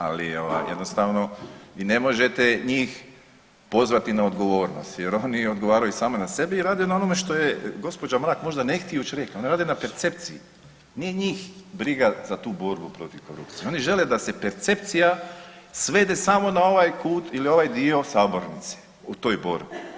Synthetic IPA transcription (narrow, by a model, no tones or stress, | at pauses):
a̰lḭoʋa̰jjed̪nost̪aʋno̞ʋiːne̞moʒe̞t̪eɲiːx | po̞zʋat̪inaod̪ɡo̞ʋo̞ːɾnost̪jeɾo̞ːnio̞d̪ɡoʋaːɾajusaːmonase̞beiɾaːd̪ijonao̞nome̞ʃt̪o̞jeɡo̞spo̞d͡ʑamɾaːkmo̞ʒd̪ane̞xt̪iut͡ʃɾekio̞niɾaːd̪enape̞ɾt̪se̞p̚t̪sḭḭ | nijeɲiːxbɾiɡazat̪uːbo̞ɾbupɾo̞t̪iʋko̞ɾṵpt̪sijeo̞niʒe̞le̞d̪ase̞peɾt̪se̞p̚t̪sijasʋe̞ːd̪esamo̞nao̞ʋajkuːt̪ilio̞ʋajd̪io̞saːbo̞ɾnit̪se̥ | ut̪o̞ːjbo̞ɾbi